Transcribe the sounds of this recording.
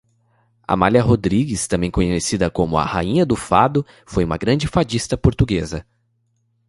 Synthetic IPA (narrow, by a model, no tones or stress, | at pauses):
ɐ̰malʲɐɦod̪ɾiɡɪst̪ɐ̃mbẽj̃kõɲesid̪ɐkõmʊɐ̰haĩɲɐd̪ʊfad̪ʊ | fojũmɐɡɾɐ̃d͡ʒɪfad͡ʒist̪ɐpoɾt̪uɡezɐ